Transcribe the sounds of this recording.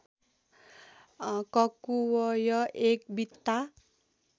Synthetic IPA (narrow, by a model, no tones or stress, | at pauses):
kʌkuwʌjʌʔek̚bit̪ːa